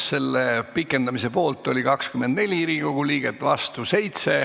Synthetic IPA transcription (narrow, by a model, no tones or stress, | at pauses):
se̞lːepikːˑe̞nd̪ɑmise̞po̞ːlt̪ːˑo̞lʲikɑkskymːend̪ne̞lʲiiɾiko̞ɡ̥uliːɡ̥et̪ːˑvɑst̪use̞jt̪se̞